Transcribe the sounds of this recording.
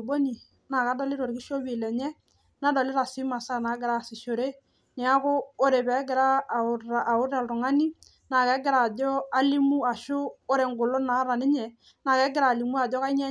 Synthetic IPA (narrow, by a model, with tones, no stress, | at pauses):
bo˦ni˨ | na˨ka˨˦dɔ˦lɪ˦ɾo˨ɾkɪ˦ʃo˦bi˨lɛ˨ɲɛ˦ | na˨˦dɔ˨lɪ˦ɾa˨sɪ˦ma˨sa˦na˨˦ɡɪ˨ɾa˦˨sɪ˨ʃo˨ɾe˦ | nɛ˨˦a˦kʊ˦o˦ɾe˨pɛ˨˦ɡɪ˨ɾa˦˨a˨ʊ˦ɾa˨ltʊ˨ŋa˦ni˦ | na˨kɛ˨˦ɡɪ˨ɾa˨d͡ʒɔ˦a˦li˦mu˦a˨ʃʊ˦o˦ɾe˨ŋ˨ɡʊ˨lʊ˦na˨˦ɾa˨nɪ˦ɲɛ˨ | na˨kɛ˨˦ɡɪ˦ɾa˨li˨mu˦a˨d͡ʒɔ˦ka˦ɲɛ˦